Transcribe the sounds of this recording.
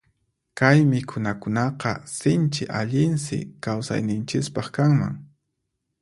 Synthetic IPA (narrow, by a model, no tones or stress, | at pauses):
kajmɪkʰʊnakʊnɑqɑsɪnt͡ʃɪ̰ʔaʎɪnsɪ̰kawsa̰jnɪnt͡ʃɪspɑχkaŋma̰ŋ